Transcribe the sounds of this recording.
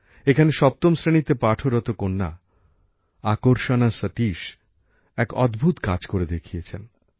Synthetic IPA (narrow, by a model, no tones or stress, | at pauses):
ekʰaneʃɔp̚t̪omsɾenit̪epaʈʰoɾɔt̪okonːa̰ | akoɾʃonasət̪iʃ | ɛkɔ̰d̪bʱut̪kad͡ʑkoɾed̪ekʰijet͡ɕʰen